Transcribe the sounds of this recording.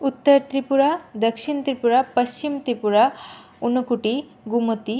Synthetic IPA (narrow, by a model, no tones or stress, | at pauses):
ut̪ːɐɾt̪ɾipuɾad̪ɐkʂiɳt̪ɾipuɾapɐɕt͡ʃimt̪ɾipuɾa | unukuʈi | ɡumut̪i